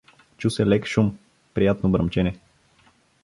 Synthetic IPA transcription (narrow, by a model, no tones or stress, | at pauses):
t͡ʃusɛlɛkʃum | pɾijat̪nobɾɐmt͡ʃɛnʲɛ